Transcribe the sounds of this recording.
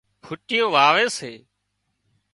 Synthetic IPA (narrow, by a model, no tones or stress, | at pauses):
pʰʊʈɪjõːʋaːʋeːseː